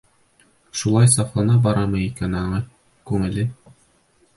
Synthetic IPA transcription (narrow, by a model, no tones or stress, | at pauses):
ʃulˠɑjsɑqlˠɑnɑbɑɾɑmɤikænɑɴɤ | kʉŋɘ̆lɘ